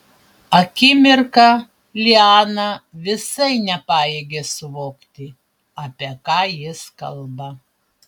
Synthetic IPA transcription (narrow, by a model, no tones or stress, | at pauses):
ɐkʲɪmʲɪɾkɑ | lʲɪɑːnɐʋʲɪsɐɪnʲɛpɑːjeːɡʲeːsʊʋoːkt̪ʲɪ | ɐpʲiɛkɑːjɪskɐ̰lˠbɐ